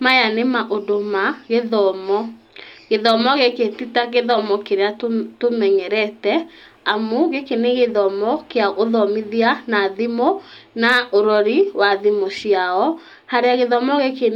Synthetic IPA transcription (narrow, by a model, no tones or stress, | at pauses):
majanemaʔodomaɣeðɔmɔ | ɣeðɔmɔɣeketitaɣeðɔmɔkeɾeatomɛɲɛɾɛtɛ | amoɣekeneɣeðɔmɔkeaoðɔmiðianaðimonaoɾɔɾiwaðimosiaɔ | haɾeaɣeðɔmɔɣeke